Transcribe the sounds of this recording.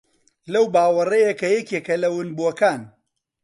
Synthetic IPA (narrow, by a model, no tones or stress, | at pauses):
lɐwbaːwɐrɐjɐkɐjɛkekɐlɐwʊnbuɐkaːn